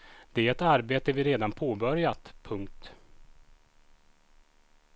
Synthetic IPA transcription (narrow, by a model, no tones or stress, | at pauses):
d̪̥ɛæɾɛt̪aɾbeːt̪əɛvɪɾeːd̪anpʰoːbœɾjat̪pʰɵŋk̚t̪